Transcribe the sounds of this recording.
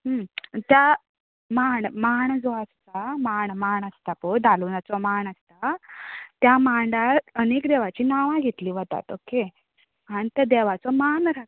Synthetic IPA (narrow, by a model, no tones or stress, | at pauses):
ɦət̪ja | maɳmaɳd͡zɔəst̪amaɳmaɳəst̪apod̪ʱaluːnat͡sɔmaɳəst̪a | t̪jamaɳɖaɾənekd̪eʋ̤at͡ɕiːnaʋãɡʱet̪liːʋət̪a̰t̪oke | añit̪jad̪eʋ̤at͡sɔmanɾa